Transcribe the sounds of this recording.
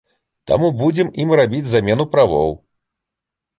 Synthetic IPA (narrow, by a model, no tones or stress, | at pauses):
t̪a̰mubud͡zʲɛmimrabʲid͡zʲzamʲɛn̪upɾavɔ̰w